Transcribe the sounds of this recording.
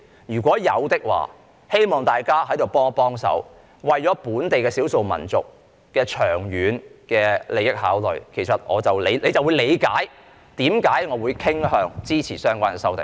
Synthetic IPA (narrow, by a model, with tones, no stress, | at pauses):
jyː˨˩k̬ʷwʷɔː˨˥jɐ̰˨˧wt̪ɪ˥k̚wa̰ː˨ | he˥jmɔː˨ŋt̪aː˨˩jkaː˥hɐ˨˥jt̪o˨wpɔː˥ŋpɔː˥ŋsɐ̰˨˥w | wɐ˨jt͡ʃɔː˨˥puː˨˥nt̪e˨jkɛː˧siː˨˥wso˨wmɐ̰˨˩nt͡sʊ̰˨k̚ | kɛː˧t͡ʃʰœː˨˩ŋjyː˨˥nkɛː˧le˨jɪ˥k̚haː˨˥wlɵ̰˨˩ɥkʰe˨˩jsɐ˨t̚ŋɔ̰ː˨˧t͡sɐ˨wle˨˧jle˨˧jt͡sɐ˨wu˨˧jle˨˧jkaː˨˥j | t̪iː˨˥mkaː˨˥jŋɔː˨˧wuː˨˧jkʰɪ˥ŋɦœː˨˧ŋt͡siː˥t͡sʰiː˨˩sœː˥ŋkʷaː˥nkɛː˨˧sɐ˥wt̪ɪ̰˨ŋ